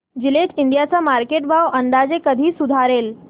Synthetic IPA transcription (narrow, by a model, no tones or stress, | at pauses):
d͡ʑileʈiɳɖijat͡samaɾkeʈbʱaʋʔənd̪ad͡zekəd̪ʱiːsud̪ʱaɾeːl